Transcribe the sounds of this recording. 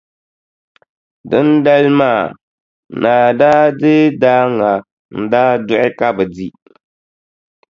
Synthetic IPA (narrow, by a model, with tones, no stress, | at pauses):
dɨ˦n˦da˦lmaː˦˨ | naː˨daː˦dɨ˦daː˦ŋa˨ | n̩˨daː˦dʊ˦ʔɪ˦ka˦bɨ˨di˦